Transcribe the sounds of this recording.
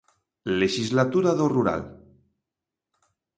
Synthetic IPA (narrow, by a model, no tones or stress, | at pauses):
leʃizlat̪uɾaðoruɾa̰l